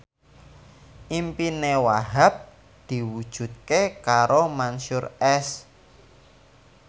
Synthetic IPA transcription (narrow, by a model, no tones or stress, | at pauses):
ʔimpinewaɦap̚ | d̪̥i̤wud̥ʒ̥ṳt̪̚kekaɾomanʃʊɾɛs